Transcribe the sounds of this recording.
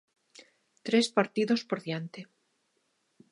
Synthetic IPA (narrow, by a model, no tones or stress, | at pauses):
t̪ɾespaɾt̪iðo̞spo̞ɾðjant̪e